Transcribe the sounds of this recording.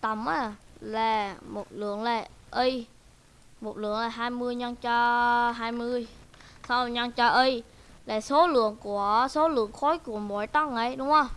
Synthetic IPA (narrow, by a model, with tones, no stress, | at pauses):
t̪ə˧˩mʔaː˨˧˩laː˨˩mo˨˩t̚lɨ̰˧˩˨əŋlaː˨˩ʔi˧j | mo˨˩t̚lɨ̰˧˩əŋlaː˨˩ɦaː˧jmɨ˧əjɲə˧ŋt͡ɕɔː˧ɦaː˧jmɨ˧əj | sa˧wɲə˧ŋt͡ɕɔ˧ʔə˧jlaː˨˩so˨˦lɨ̰˧˨əŋku˧˩əso˨˦lɨ̰˧˨əŋxo˨˦jku˧˩əmo˧˨˩jt̪ə˧ŋʔə˨˩˦jɗʊ˨˦wŋ͡mhə˧˩